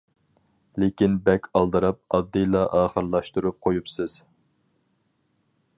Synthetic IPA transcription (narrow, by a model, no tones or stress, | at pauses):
lekʲinbɛkʲʰɑlˠd̪ɨɾɑp̚ɑd̪ːɨjlˠɑʔɑːχəɾlˠɑʃt̪uɾup̚qʰojupsɨz̥